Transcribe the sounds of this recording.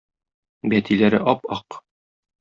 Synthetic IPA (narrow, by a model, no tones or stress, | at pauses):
bæt̪ʰilæɾɘ̰ʔɒpɒq